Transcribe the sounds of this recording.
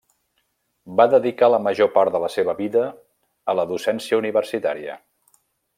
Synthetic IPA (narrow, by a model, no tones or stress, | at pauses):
baðəðikaləməʒopaɾt̪ðələseβəβiðəː | ləðusɛnsiəuniβərsit̪aɾiə̰